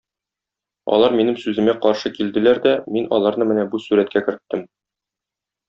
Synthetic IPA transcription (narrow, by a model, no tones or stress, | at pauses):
ɒ̰lˠɑɾminɘmsʉzɘ̆mæqɒɾʃɤkild̪ɘ̆læɾd̪æminɒ̰lˠɑɾnɤmɘnæbusʉɾæt̪̚kʰækɘ̆ɾ̆t̪ːɘm